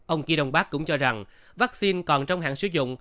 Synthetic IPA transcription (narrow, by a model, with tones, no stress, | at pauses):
ʔə˧wŋ͡mki˧ɗə˧wŋ͡mɓaː˦˥k̚kʊ̰˧˥ŋ͡mt͡ɕɔ˧za˨˩ŋ | vaː˦˥k̚si˧nkɔ˨˩nt͡ɕɔ˧wŋ͡mhɦa̰ː˧˨ŋsɨ̰˧˦zʊ̰˧˨ŋ͡m